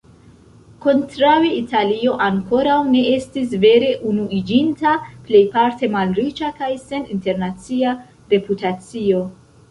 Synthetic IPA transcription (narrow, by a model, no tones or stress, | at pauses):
ko̞ntɾaweitʰalio̞ʔaŋko̞ɾawne̞e̞stis̬ve̞ɾe̞ʔunuid͡ʒintaple̞jpaɾte̞malɾit͡ʃakajse̞nḭnte̞ɾnat͡sia | ɾe̞putat͡sio̞